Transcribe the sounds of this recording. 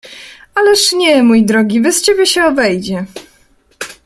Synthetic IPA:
alɛʂɲɛmujd̪ɾɔɡʲivɘst͡ɕebʲɛɕɛɔbɛjd͡ʑɛ

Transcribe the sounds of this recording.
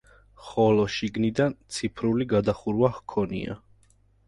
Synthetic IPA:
χɔlɔʃiɡnid̪ant̪sʰipʰɾuliɡad̪aχuɾwahkʰɔnḭa̰

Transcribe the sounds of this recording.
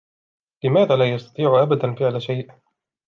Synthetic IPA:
lɪmaːðaːlaːjɑst̪ɑ̥t̪ˤiːʕʊʔabad̪anfɪʕlaʃajʔ

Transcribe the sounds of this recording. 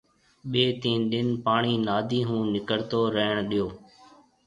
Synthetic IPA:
ɓeːt̪ĩːnɗɪnpaːɳ̃iːnaːd̪ʱiːɦũːnɪkəɽt̪oːɾəɦəɳ̃ɗijoː

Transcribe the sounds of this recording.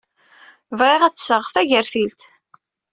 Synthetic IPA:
vʁeʁæt͡sːsəʁfæʝəɾθilt̪

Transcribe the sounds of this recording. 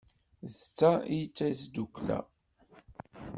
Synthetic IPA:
zt͡sːaijət͡sːæjsd̪ukːlæ̰

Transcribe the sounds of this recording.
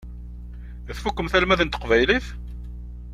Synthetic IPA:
θfukːəmθælmæðənt̪ə̥qvæjliθ

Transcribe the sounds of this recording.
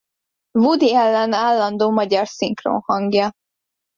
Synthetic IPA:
vud̪iɛlːɛnaːlːɒnd̪oːmɒɟɒrsiŋkro̰ːnhɒŋɡjɒ

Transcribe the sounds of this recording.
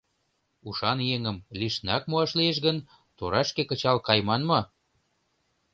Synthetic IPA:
uʃɑnjeŋəmliʃnɑk̚muɑʃlieʃ̬ɣən | t̪oɾɑʃkekə̆t͡ɕɑlkɑjmɑnmɤ

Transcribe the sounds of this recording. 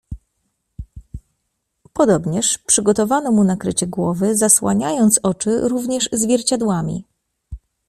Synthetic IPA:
pɔd̪ɔbɲɛʂpʂɘɡɔt̪ɔvanɔmunakɾɘt͡ɕɛɡwɔvɘzaswa̰ɲajɔnt̪sɔt͡ʂɘɾuvɲɛʐzvʲjɛɾt͡ɕad̪wamʲḭ

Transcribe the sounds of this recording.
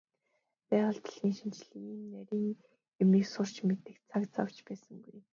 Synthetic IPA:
pæːʁə̆ɮt̪ʰɮxiːŋʃint͡ɕɮiiːmnæɾʲiːŋ | ʊmiːksʊr̥t͡ɕmet̪ɘ̆kt͡sʰakt͡sa̰w̥t͡ɕpæːsə̆ŋɡuj

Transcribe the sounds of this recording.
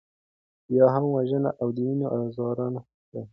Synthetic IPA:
jɑɦamwaʒəna̰ʔawd̪əminoʔazɑɾɑna | a

